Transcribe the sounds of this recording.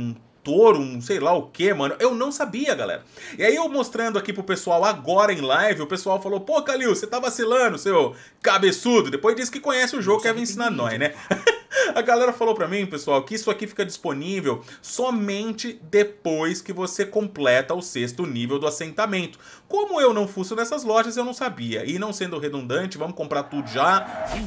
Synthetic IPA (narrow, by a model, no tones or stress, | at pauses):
ũ | t̪oɾũsejlaʊkemɐ̃nʊʔewnɐ̃w̃sabiɐɡalɛ̰ɾɐiaiewmost̪ɾɐ̃nd̪ʊakipɾʊpesuawaɡɔɾɐẽj̃lajvɪʊpesuawfalopokaliwset̪avasilɐ̃d̪ʊsew | kabesud̪ʊd̪epojzd͡ʒisʊ̥kɪkõɲɛsɪʊʒoɡʊkɪɛvĩsĩnanɔ̃jnɛ | ɐɡalɛɾɐfalowpɾɐmĩpesuawkɪisʊakifi̥kɐd͡ʒisponivewsɔmẽnt͡ʃɪd̪epojskɪvosekõplɛt̪ɐʊsest̪ʊnivewd̪ʊasẽnt̪amẽnt̪ʊ̥ | kõmʊewnɐ̃w̃fusʊnɛsɐzlɔʒɐzewnɐ̃w̃sabiɐ̰ʔɪnɐ̃w̃sẽnd̪ʊɦed̪ũnd̪ɐ̃nt͡ʃɪvɐ̃mʊkõmpɾaɾt̪ud̪ʊʒa